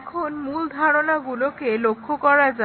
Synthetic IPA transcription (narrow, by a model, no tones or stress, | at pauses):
kʰonmuld̪ʱaɹɔnaɡulɔkelokʰːɔkɔɹaza